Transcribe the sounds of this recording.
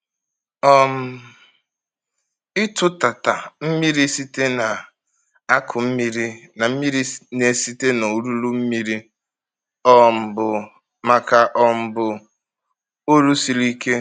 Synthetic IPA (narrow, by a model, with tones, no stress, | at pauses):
ɔ˦m̩˦ | ɪ˦tʊ˦ta˨ta˨m̩˦mi˦ɾi˦si˦te˦na˨ | a˦kʰʊ˨m̩˦mi˦ɾi˦na˨m̩˦mi˦ɾi˦ne˨si˦te˦no˨u˨ɾu˦lu˦m̩˦mi˦ɾi˦ | ɔ˦m̩˨bʊ˨ | ma˨ka˨ʔɔ˦m̩˦˨bʊ˨ | o˦ɾu˦si˨li˦ke˦